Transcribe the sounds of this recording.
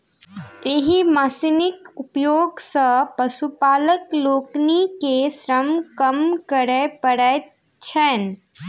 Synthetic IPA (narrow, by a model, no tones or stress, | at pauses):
eɦimasɪnɪkʊpjoːɡsəpɐsupaːləkloːknikesɾəmkəmkəɾepəɽɛ | t͡ʃʰɛn